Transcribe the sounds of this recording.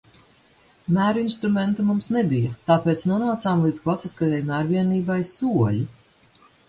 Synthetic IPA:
mæːɾuinst̪ɾumɛnt̪umumsnebijat̪aːpeːt̪snuɔnaːt̪saːmlˠiːd̪klˠasiskajajmæːɾviɛniːbajsuɔlʲi

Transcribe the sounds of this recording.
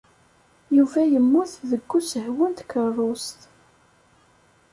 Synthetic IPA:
juvæjəmːʊθðəɡːusəhwənt̪kərˤʊst̪

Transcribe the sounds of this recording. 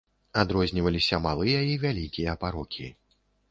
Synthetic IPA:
ad̪ɾɔzʲnʲivɐlʲisʲɐmalˠɨjɐivʲalʲikʲijɐpaɾɔkʲḭ

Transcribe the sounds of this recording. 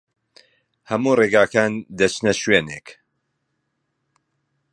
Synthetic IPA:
hɐmuːreːɡaːkaːnd̪ɐt͡ʃnɐʃweːneːk

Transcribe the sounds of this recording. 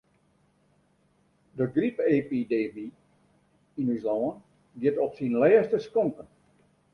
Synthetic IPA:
dəɡripepidemi | inyslɔːən | ʋiətɔpsinlɛːstəskɔŋkən

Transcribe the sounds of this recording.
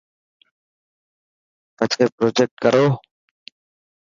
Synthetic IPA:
pət͡ʃkeːpɾoːd͡ʒek̚ʈ̚kəɾoː

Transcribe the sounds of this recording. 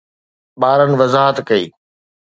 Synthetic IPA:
ɓaːɾənɪ̆ʋɐzaːɦət̪kɐḭː

